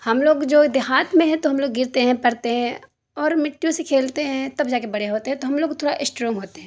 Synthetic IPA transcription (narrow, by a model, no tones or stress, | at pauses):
hɐmloːɡd͡ʒoːd̪ɪɦaːt̪mẽɦɛ̃t̪oɦɐmloːɡːɪɾt̪eɦɛ̃pɐɽt̪eɦɛ̃ | ɔːɾmɪʈːijõsekʰeːlt̪eɦɛ̃t̪ɐbd͡ʒaːkebɐɽ̤eɦoːt̪eɦɛ̃t̪oɦɐmloːɡ̚t̪ʰoːɽaʔɪsʈɾɔ̃ːŋɡɦoːt̪eɦɛ̃ː